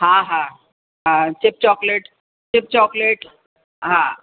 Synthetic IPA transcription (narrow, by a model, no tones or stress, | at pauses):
ɦãɦã | ɦãt͡ɕip̚t͡ɕɔkleʈ | t͡ɕip̚t͡ɕɔkleʈ | ɦã